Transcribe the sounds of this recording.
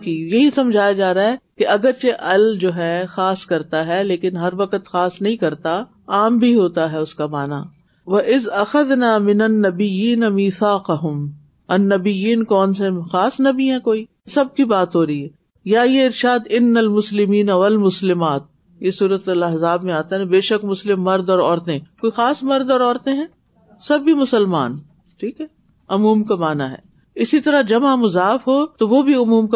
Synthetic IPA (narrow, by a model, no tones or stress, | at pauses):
kijɐɦisɐmd͡ʒʱaːjad͡ʒaːɾaɦɛkeʔɐɡəɾt͡ʃeʔɐld͡ʒoːɦɛxaːskɐɾt̪aɦɛleːkɪnɦɐɾʋɐqət̪xaːsnɐɦĩkɐɾt̪a | aːmbʱiɦoːt̪aɦɛʊskamaːna | ʋɐʔɪzɐxɐðnaːmɪnɐnːɐbɪjiːnamiːθaːqɐɦʊm | ɐnːɐbɪjiːnkɔːns̬exaːsnɐbʱiɦɛ̃koːiː | sɐb̚kibaːt̪ɦoːɾɐɦiɦɛː | jajeɪɾʃaːd̪ɪnːɐlmʊslɪmiːnɐʋɐlmʊslɪmaːt̪̚ | jesuːɾət̪ʊlɐɦzaːbmẽaːt̪aɛɛ̃beːʃɐkmʊslɪmːɐɾd̪ɔːɾɔːɾt̪ẽkoːixaːsmɐɾd̪ɔːɾɔːɾt̪ẽɦɛ̃ː | sɐbːimʊsəlma̰ːn | ʈʰiːkɦɛ | ʊmuːmkamaːnaɦɛ̰ː | ɪsit̪ɐɾaɦd͡ʒɐmamʊzaːfɦot̪oʋobʱiʊmuːmk